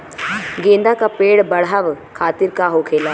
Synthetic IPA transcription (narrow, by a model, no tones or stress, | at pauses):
ɡẽːnd̪akapeːɽbɐɽ̤aʋkʰaːt̪ɪɾkaɦokʰeːlaː